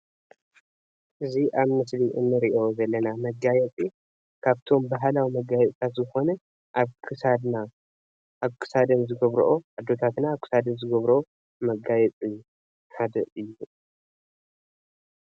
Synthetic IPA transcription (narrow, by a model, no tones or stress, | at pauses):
ʔɨziʔaβmɨsliʔɨnːɨɾiʔo̞zɐlːɐnamɐɡajɛt͡sʼi | kʰaβt̪ʰo̞mbaɦlawimɐɡajɛt͡sʼt̪ʰat̪zɨxo̞nɐ | ʔaβkʰɨsad̪na | aβkʰɨ̥sad̪ɐnzɨɡɐβɾʔoad̪ːo̞t̪ʰat̪naːβkʰɨ̥sad̪ɐnzɨɡɐβɾo | mɐɡajɛt͡sʼi | had̪ɐʔɨjːu